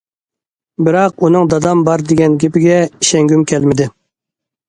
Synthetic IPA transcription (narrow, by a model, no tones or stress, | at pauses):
bɪɾɑq̚unɨŋd̪ɑd̪ɑmbɑɾd̪ɪɡʲɛnɡʲepɪɡʲɛiʃɛŋɡʲymkʲʰɛlmɪd̪ɪ